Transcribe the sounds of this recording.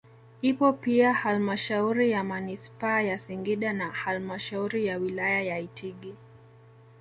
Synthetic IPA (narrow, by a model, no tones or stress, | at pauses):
ipɔpiahalmaʃauɾijamanispaːjasiŋɡiɗanahalmaʃauɾijawilajajaitʰiɡi